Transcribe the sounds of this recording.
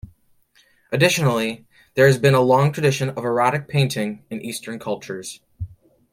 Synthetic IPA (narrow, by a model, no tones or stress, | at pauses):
ʔɨdɪʃɨnl̩ˠi | ðə˞ɨzbɨ̃nəlɔ̃ŋtʰɹ̥ɨdɪʃɨ̃nʌvə˞ɑɾɨk̚pʰẽɪ̃ntʰɪ̃ŋɨ̃nʔistə̃˞nkʰʌlˠp̚t͡ʃə˞z̥